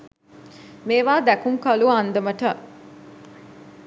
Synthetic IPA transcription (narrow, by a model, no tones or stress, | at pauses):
meːʋaːd̪ækuŋkɐluɐnd̪ɐmɐʈɐʔ